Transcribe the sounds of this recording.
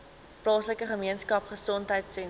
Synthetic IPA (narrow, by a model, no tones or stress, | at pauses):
plɑːsləkəχəmiənskɐpχəsɔntɦəjtsɛn